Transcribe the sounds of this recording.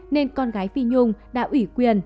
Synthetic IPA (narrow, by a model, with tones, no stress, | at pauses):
ne˧nkɔ˧nɣaː˨˦jfi˧ɲʊ˧˨ŋ͡mɗa̰ː˧˥ʔwi˧˩kwi˧˩ən